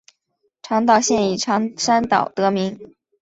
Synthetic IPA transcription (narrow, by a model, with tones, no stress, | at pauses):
ʈ͡ʂʰɑ˧˥ŋt̪ɑ˥˨˩ʊɕjɛ˥˩ni˨˩ʈ͡ʂʰɑ˧˥ŋʂa˥nt̪ɑ˨˩ʊt̪ɤ˧˥mi˧˥ŋ